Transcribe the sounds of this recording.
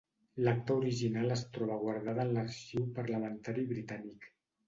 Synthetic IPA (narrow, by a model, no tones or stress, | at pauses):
lak̚t̪əuɾiʒinaləst̪ɾɔβəɣwaɾðaðənləɾʃiwpəɾləmənt̪aɾiβɾit̪anik